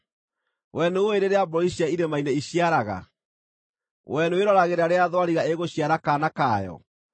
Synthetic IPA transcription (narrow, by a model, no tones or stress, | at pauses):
wʔɛnooeɾeɾeabɾɔiɕiaiɾemaineiɕiaɾaɣa̰ | wɛnoeɾɔɾaɣeɾaɾeaðwaɾiɣaeɣoɕjaɾakanakajɔ̰